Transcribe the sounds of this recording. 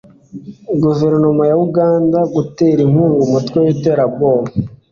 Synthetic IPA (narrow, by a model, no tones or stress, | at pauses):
ɡuveɾnomajauɡaːndaɡuteɾiŋ̥uːŋɡumutkweweteɾaboɾo